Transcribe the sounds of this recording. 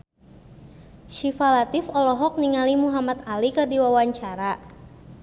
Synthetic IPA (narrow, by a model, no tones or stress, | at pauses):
ʃifalat̪ifɔlɔɦɔk̚niŋalimuɦamat̪alikərdiwawaɲt͡ʃaɾa